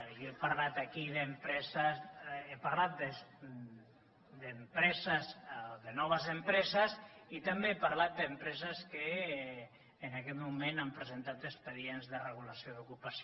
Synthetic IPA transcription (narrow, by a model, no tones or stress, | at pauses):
joepaɾlat̪akiðəmpɾɛzəzepaɾlat̪̚d̪ə | d̪əmpɾɛzəzðənɔβ̞əzəmpɾɛzəzit̪ambeepaɾlat̪̚d̪əmpɾɛzəskə | nakɛt̪mumenampɾəzent̪at̪əspəðienzðəreɣ̞ulasioðukupas